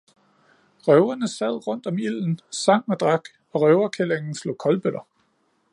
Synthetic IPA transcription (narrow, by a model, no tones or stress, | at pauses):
ʁœʊɐnəsæð̰ˠʁɔ̽n̰d̥ɒ̽mil̰n̩sɑ̈ŋ̰ɒd̥ʁɑ̈ɡ̥ | ɒ̽ʁœʊɐkʰeleŋn̩slo̝̰ːkʰɒ̽lb̥øɾɐ